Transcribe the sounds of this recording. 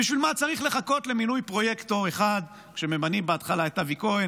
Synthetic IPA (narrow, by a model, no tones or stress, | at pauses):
iʃvilmat͡saʁiχle̞χako̞t̪le̞minujpʁo̞jekt̪oeχad | kʃe̞memanimbeat̪χalaet̪avikoi